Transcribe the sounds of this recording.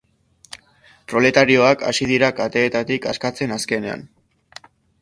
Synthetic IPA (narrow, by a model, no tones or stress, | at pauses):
pɾo̞le̞t̪aɾio̞aka̰sið̞iɾakat̪e̞ːt̪at̪ika̰skat͡se̞naske̞ne̞a̰n